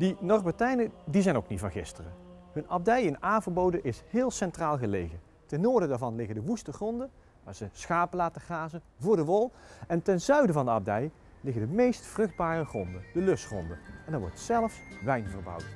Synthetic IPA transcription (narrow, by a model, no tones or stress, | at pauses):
dənɔrbətɛjnədizɛjnowknitfɑnχɪstərə | ɦɵnɑb̚dɛjɪnaːnvəɹbowdənʔɪshɪːlˠsɛntraːlˠɣəlejɣən | tɛnːoːɹdədaːɹvɑnlɪɣəndəʋustəχrɔndə | ʋa̰ːɹzəsχaːpəlaːtəχaːzənvʊːɹdəʋɔlˠɛntɛnzœɥdəvɑndəɑb̚dɛj | lɪɣəndəmejstfrɵχd̚baːrəχrɔndənd̥əlɵsχɔ̰ndəɛndɑɹʋɔ̰ɹtsɛlˠəfʋɛjnvərbɑ̰wt